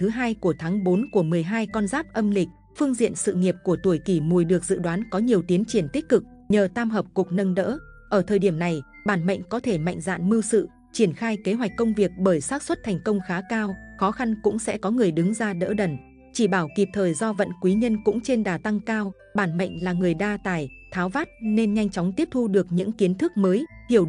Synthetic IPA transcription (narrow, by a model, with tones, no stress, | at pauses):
t̪ʰɨ˨˦ɦaː˧jku˧˩ət̪ʰaː˨˦ŋɓo˨˦nku˧˩əmɨ˨˩əjɦaː˧jkɔ˧nzaː˦˥p̚ʔə˧mlï˨˩k̟̚ | fɨ˧əŋzḭ˧ənsɨ̰˧˨ŋi˨˩əp̚ku˧˩ət̪u˧˩əjki˧˩mu˨˩jɗɨ˨˩ək̚z̥ɨ̰˧˨ɗwaː˨˦nkɔ˨˦ɲi˨˩əwt̪i˨˦ənt͡ɕi˧˩ənt̪i˦˥k̟̚kɨ˨˩k̚ɲəː˨˩t̪aː˧mɦəː˨˩p̚kʊ˨˩k͡p̚nə˧nɗə̰ː˧˥ʔəː˧˩t̪ʰəː˨˩jɗi˧˩əmna˨˩j | ɓaː˧˩nmə̰˧˨jŋ̟kɔ˨˦t̪ʰe˧˩ma̰˧˨jŋ̟za̰ː˧˨nmɨ˧wsɨ̰˧˨ | t͡ɕi˧˩ənxaː˧jke˨˦ɦwa˨˩k̟kːə˧wŋ͡mvi˨˩ək̚ɓəː˧˩jsaː˦˥t̚swə˦˥t̚t̪ʰɛ˨˩jŋ̟kə˧wŋ͡mxaː˨˦kaː˧wxɔ˨˦xa˧nkʊ̰˧˥ŋ͡msɛ̰˧˥kɔ˨˦ŋɨ˨˩əjɗɨ˨˦ŋzaː˧ɗə̰ː˧˥ɗə˨˧˩n | t͡ɕi˧˩ɓaː˧˩wki˨˩p̚t̪ʰəː˨˩jzɔ˧və̰˧˨nkwi˨˦ɲə˧nkʊ̰˧˥ŋ͡mt͡ɕe˧nɗaː˨˩t̪a˧ŋkaː˧w | ɓaː˧˩nmə̰˧˨jŋ̟laː˨˩ŋɨ˨˩əjɗaː˧t̪aː˧˩j | t̪ʰaː˨˦wvaː˦˥t̚ne˧nɲa˧jŋt͡ɕɔ˨˦wŋ͡mt̪i˦˥əp̚t̪ʰu˧ɗɨ˨˩ək̚ɲɨ̰˧˥ŋki˨˦ənt̪ʰɨ˦˥k̚məː˨˦jhi˧˩əw